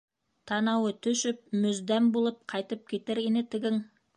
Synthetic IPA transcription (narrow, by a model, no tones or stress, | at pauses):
t̪ʰɑnɑwət̪ʰɵ̆ʃɪp̚mɵzd̪æmbolˠɤp̚qʰɑjt̪əp̚kʲʰet̪ɘɾinɘt̪ɪ̆ɡɘŋ